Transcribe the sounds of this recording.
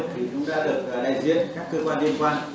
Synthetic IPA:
t̪ʰi˨˩t͡ɕʊ̰˧˥ŋ͡mɗa̰ː˧˥ɗɨ˨˩ək̚aː˨˩ɗaː˧jzḭ˧˥ənkaː˦˥kːəː˧kwaː˧nli˧ənkwaː˧n

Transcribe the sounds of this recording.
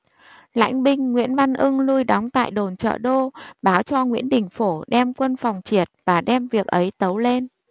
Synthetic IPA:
la̰˧˥jŋ̟ɓï˧ŋ̟ːwḭ˧˥ənva˧nʔɨ˧ŋlu˧jɗa˨˦wŋ͡mt̪a̰ː˧˨jɗo˨˩nt͡ɕə̰ː˧˨ɗo˧ɓaː˨˦wt͡ɕɔ˧ŋwḭ˧˥ənɗï˨˩ŋ̟fo˧˩ɗɛ˧mkwə˧nfa˨˩wŋ͡mt͡ɕi˨˩ət̚vaː˨˩ɗɛ˧mvi˨˩ək̚ʔə˨˦jt̪ə˨˦wle˧n

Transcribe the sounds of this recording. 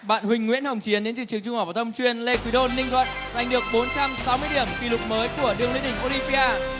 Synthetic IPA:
ɓa̰ː˧˨nhwï˧˩ŋ̟ːwḭ˧˥ənhə˨˩wŋ͡mt͡ɕi˨˦ənɗe˨˦nt͡ɕɨ˧˩t͡ɕɨ˨˩əŋt͡ɕʊ˧ŋ͡mhaː˨˩wvaː˨˩t̪ʰə˧wŋ͡mt͡ɕwi˧ənle˧kwi˨˦ɗo˧nːï˧ŋ̟zwə̰˧˨nza˨˩jŋ̟ɗɨ˨˩ək̚ɓo˨˦nt͡ɕa˧msa˨˦wmɨ˧əjɗi˧˩əmki˧˩lʊ˨˩k͡p̚məː˨˦jku˧˩əɗɨ˧əŋli˨˧˦ɗï˧˩ŋ̟ʔo˧li˧vi˧ʔaː˧

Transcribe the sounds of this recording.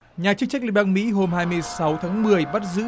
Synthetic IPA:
ɲaː˨˩t͡ɕɨ˧ŋt͡ɕa˦˥k̚lḭ˧˥ɓaː˧ŋmḭ˧˥ɦo˨˩mhaː˧jmɨ˧əjsa˨˦wt̪ʰaː˨˦ŋmɨ˨˩əjɓa˦˥t̚zɨ̰˧˥

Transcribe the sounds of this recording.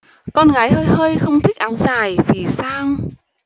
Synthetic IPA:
kɔ˧nɣaː˨˩˦jhəː˧jhəː˧jxə˧wŋ͡mt̪ʰi˦˥k̟̚ʔaː˨˦wŋ͡mzaː˨˩jvi˨˩saː˧ŋ

